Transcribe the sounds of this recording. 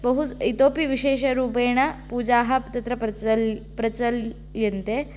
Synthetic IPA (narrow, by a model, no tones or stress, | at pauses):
bɐɦut͡sit̪oːpiʋiɕeːʃɐɾuːpeɳ̃ɐpuːd͡ʑaːɦɐpt̪ɐt̪ɾɐplpɾɐt͡ɕɐl | jint̪e